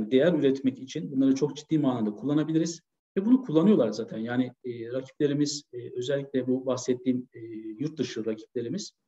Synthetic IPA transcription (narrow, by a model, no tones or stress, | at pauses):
nd̪e̞jæɾyɾɛt̪mɛcit͡ʃʰinbunlˠaɾɯt͡ʃʰo̞k̚d͡ʒid̪ːiːmaːnˠamd̪akʰulˠːanabilʲiɾiz̥ | vɛbunukʰulˠːanɯjo̞lˠaɾzaːt̪ʰænjaːnɪːɾacʰi̥plʲe̞ɾimiz̥ø̞zɛlʲːicʲlʲɛbubaxsɛt̪ʰːiːmːjuɾt̪̚d̪ɯʃɯɾacʰi̥p̚lʲe̞ɾimiz̥